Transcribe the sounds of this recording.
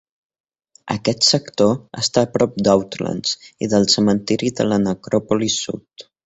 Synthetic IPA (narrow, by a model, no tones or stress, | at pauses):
ə̰kɛt̪səkt̪oə̰st̪aːpɾɔp̚d̪awt̪lə̰nz̥ḭðəlˠsəmənt̪iɾiðələnəkɾɔpulisṵt̪